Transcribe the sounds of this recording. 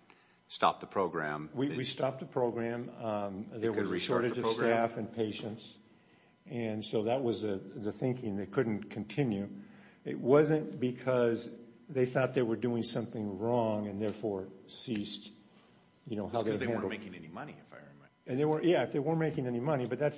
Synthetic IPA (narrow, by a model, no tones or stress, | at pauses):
stɑ̰p̚ðəpʰɹ̥oʊɡɹæ̰̃mwiwistɑp̚ðəpʰɹ̥oʊɡɹæ̃m | ðəwə˞isɔɹɾɨd͡ʒʌv̥stæfɨ̃npʰeɪʃɨ̃nts | ɨ̃nsoʊðət̚wʌzðɨðɨθɪ̃ŋkɪ̃ŋðeɪkʰʊdⁿn̩kʰn̩tʰɪ̃njʉɪ̰t̚wʌzɨ̃nb̥ɨkʰʌzðeɪθɔt̪̚ðə˞wə˞dʉɪ̃ŋsʌ̃mθɪ̃ŋɹɔ̃ŋɨ̃nðɛɹfɔɹsist | jɨñoʊɦaʊðeɪæ̃ndl̩ˠmeɪkɪ̃ŋɛnimʌniɨfaɪɹɨmɛ̃ɨ̃nðeɪwə̃˞ʔjæɨfðeɪwɜ̃˞nmeɪkɪ̃ŋɛnimʌnibʌt̪̚ðæts